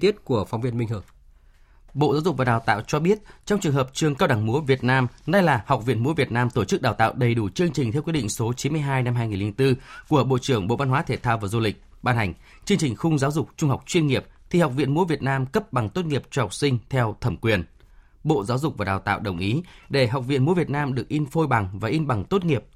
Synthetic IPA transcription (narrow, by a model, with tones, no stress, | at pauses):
t̪i˦˥ət̚ku˧˩əfa˨˦wŋ͡mvi˧ənmi˧ŋ̟ɦɨ˧˩əŋ | ɓo̰˧˨zaː˨˦wzʊ˨˩k̚vaː˨˩ɗaː˨˩wt̪a̰ː˧˨wt͡ɕɔ˧ɓi˦˥ət̚t͡ɕɔ˧ŋ͡mt͡ɕɨ˨˩əŋɦəː˨˩p̚t͡ɕɨ˧əŋkaː˧wɗa˧˩ŋmu˨˦əvi˨˩ət̚naː˧mna˧jlaː˨˩ha˨˩wk͡p̚vḭ˧˨ənmu˨˦vi˨˩ət̚naː˧mt̪o˧˩t͡ɕɨ˦˥k̚ɗaː˨˩wt̪a̰ː˧˨wɗə˨˩jɗu˧˩t͡ɕɨ˧əŋt͡ɕi˨˩ŋt̪ʰɛ˧wkw̚ɗ̰ŋ̟so˨˦t͡ɕi˨˦nmɨ˧əjɦaː˧jna˧mɦaː˧jŋi˨˩li˧ŋt̪ɨ˧ku˧˩əɓo̰˧˨t͡ɕɨ˧˩əŋɓo̰˧˨va˧nɦwaː˨˦t̪ʰe˨˩t̪ʰaː˧wvaː˨˩zu˧lï˨˩k̟̚ | ɓaː˧nha˨˩ŋ̟ | t͡ɕɨ˧əŋt͡ɕï˨˩ŋ̟xʊ˧ŋ͡mzaː˨˦wzʊ˨˩k͡p̚t͡ɕʊ˧ŋ͡mha˨˩k͡p̚t͡ɕwi˧ənŋi˨˩əp̚t̪ʰi˨˩ha˨˩k͡p̚vḭ˧˨ənmu˨˦əvi˨˩ət̚naː˧mkə˦˥p̚ɓa˨˩ŋt̪o˦˥t̚ŋi˨˩əp̚t͡ɕɔ˧ha˨˩wk͡p̚sï˧ŋ̟t̪ʰɛ˧wt̪ʰə˧˩mkwi˨˩ən | ɓo̰˧˨zaː˨˦wzʊ˨˩k͡p̚vaː˨˩ɗaː˨˩wt̪a̰ː˧˨wɗə˨˩wŋ͡mʔi˨˦ɗe˧˩ɦa˨˩wk͡p̚vḭ˧˨ənmu˨˦əvi˨˩ət̚naː˧mɗɨ˨˩ək̚ʔi˧nfo˧jɓa˨˩ŋvaː˨˩ʔi˧nɓa˨˩ŋt̪o˦˥t̚ŋi˨˩əp̚